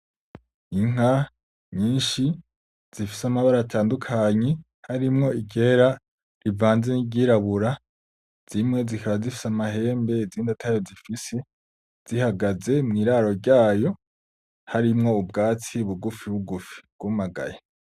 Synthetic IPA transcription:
iŋ̥a | ɲiːnʃi | z̥ifisamaβaɾatʰaːndukʰaɲe | haɾimŋo̞iɟe̞ɾa | ɾivaːnze̞niɟiɾaβuɾa | z̥imŋe̞zikʰaβazifi̥samaɦe̞ːmbe̞ziːndatʰajo̞zifise̞ | z̥ihaɡaze̞mŋiːɾaːɾo̞ɾɟaːjo̞ | haɾimŋo̞ubɡaːt͡siβuɡufiβuɡufi̥bɡ̥umaɡa̰ja

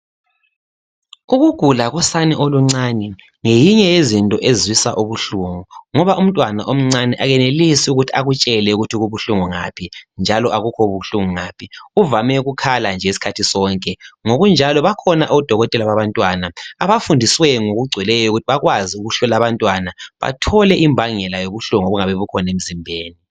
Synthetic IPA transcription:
uɣuɡ̥ʱulaɣɔsanɛʔoluŋ͡ǀanɛ | ŋejiɲɛjezintʼɔʔezwisa̰ʔuβuɬuːŋuŋɔβaʔum̩tʼwanaʔom̩ŋ͡ǀanɛʔaɣɛnelisiuɣutʰiaɣut͡ʃʼɛlɛuɣutʰiɣuβuɬuŋuŋa̰pʰind͡ʒʱalɔʔaɣukʰɔβuɬuŋuŋaːpʰiuvamɛɣukʰaland͡ʒʱɛesi̥kʰatʰisɔŋkʼɛŋoɣund͡ʒʱalɔβakʰɔnaʔoud̥ʱɔɣɔtʼɛlaβaβantʼwanaaβafundʱiswɛŋoɣuɡ͡ǀʱwɛlɛjɔoɣutʰiβaɣwaziuɣuɬɔlaβantʼwanaβa̰tʰɔlɛʔimbʱaŋɛlajoɣuɬuŋoβuŋaβɛβukʰɔnem̩zimbʱeːni

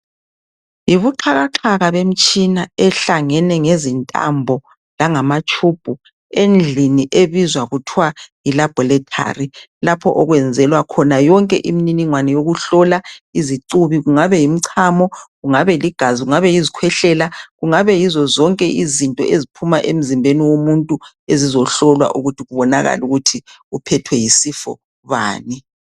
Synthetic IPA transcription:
jiβuǃʰaɣaǁʰaɣaβem̩t͡ʃʼinaɛɬaŋɛnɛŋezintʼa̰mbʱɔ | laŋamat͡ʃʼub̥ʱu | end͡ɮʱiniʔeβizwaɣutʰwajilab̥ʱɔlɛtʰa̰rilapʰɔ̰ʔɔɣwɛnd͡zʱɛlwakʰɔnajɔŋkʼɛʔimininiŋwanɛjoɣuɬɔlaiziǀuβiɣuŋaβɛjim̩ǀʰaːmɔɣuŋaβɛliɡ̥ʱaziɣuŋaβɛjizikʰwɛɬɛlaɣuŋaβɛjizɔzɔŋkʼɛʔizintʼɔ̰ʔezipʰumaʔem̩zimbʱeniwomuntʼu | ezizɔɬɔlwa̰ʔuɣutʰiɣuβɔnaɣa̰luɣutʰi | upʰɛtʰwɛjisifɔ̰ | βa̰ːni

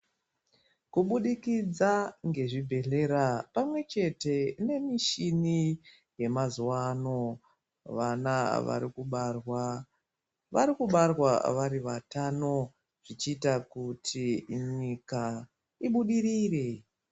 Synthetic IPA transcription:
kuɓuɗikid͡zaŋɡe̞ʐibʱe̞ɬe̞ɾapamwe̞t͡ʃe̞te̞ne̞miʃini | je̞mazuwano̞ | ʋanaʋa̰ɾikurwa | ʋaɾikuɓarwaʋaɾiʋatano̞ | ʐ̥it͡ʃiːtakutʰiɲika | iɓuɗiɾiːre̞

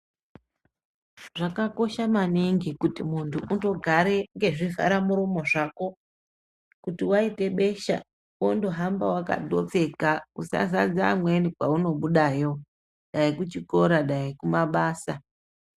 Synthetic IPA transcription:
ʐ̥akako̞ʃamaniŋɡikutimuntʰuʔunto̞ɡʱaɾe̞ŋɡe̞ʐiva̰ɾamuɾomo̞ʐako̞ | kutiwaite̞ɓe̞ʃa̰ | wondo̞ɦambawaka̰do̞̰p͡fe̞kausa̰zad͡za̰mwe̞nikwauno̞ɓuɗajo̞ | ɗaikut͡ʃiko̞ɾaɗaikumaɓaːsa

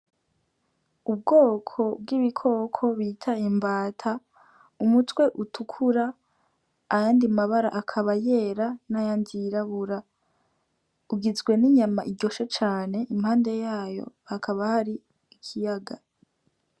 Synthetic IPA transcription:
ub̚ɡo̞ːkʰo̞b̚ɡiβikʰo̞kʰo̞βitʰaimbaːtʰa | umutwe̞ʔutʰukʰuɾaː | jaːndimaβaɾaʔakʰaβaje̞ːɾanajaːndiːɾaβuɾa | uɡizɡwe̞niɲamaʔiɟo̞ʃet͡ʃaːne̞ʔimhaːnde̞jaːjo̞̰hakʰaβahaɾi | ikʰijaɡa

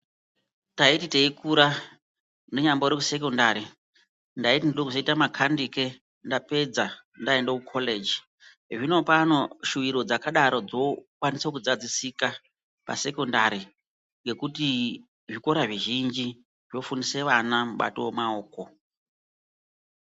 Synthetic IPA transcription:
ntaititeikuɾa | neɲamboɾekuse̞kondaɾi | ndaitindiɗokuzoitamakʰandike | ndape̞d͡za | ndaendokukʰoled͡ʒi | ʐino̞pano̞ʃuʋiɾo̞d͡zakaɗaɾo̞d͡zo̞kwanisak̬ud͡zad͡zisika | pa̰se̞kondaɾi | ŋɡe̞kuti | ʐiko̞ɾaʐiʒind͡ʒi | ʐjo̞funise̞ʋanamuɓa̰towemaoːko̞

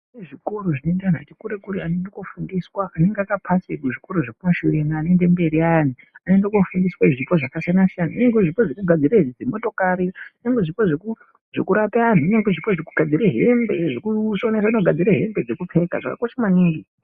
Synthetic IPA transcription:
eʐikoɾoʐinoendan̤a̰tikuɾekuɾiane̞ndokofundiswaːne̞ŋɡeakapʰasekuʐiko̞ɾoʐekumaʃuɾenaːne̞nde̞mbe̞ɾian̤i | ane̞ndokofundiswaiʐipo̞ʐakasianasijanaineŋɡeʐipoʐinoɡʱad͡ziɾed͡zemo̞to̞kaɾineŋɡweʐipoʐeku | ʐ̥e̞̰kuɾapean̤uineŋɡweʐipoʐekuɡʱad͡ziɾeɦembeʐekuonesainoɡʱad͡ziɾeɦe̞mbe̞d͡zekup͡fe̞ka̰ʐa̰ka̰koʃamwaniːŋɡi

